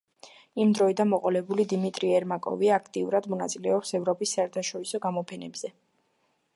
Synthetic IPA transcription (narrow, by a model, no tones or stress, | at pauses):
imd̪ɾɔid̪anmɔqʼɔlɛbulid̪imit̪ʼɾiɛɾmakʼɔ̰viaakʰt̪ʼiuɾad̪mɔna̰t̪sʼilɛɔpsɛvɾɔpʼisːaɛɾt̪ʰaʃɔɾisɔɡamɔpʰɛnɛbz̥ɛ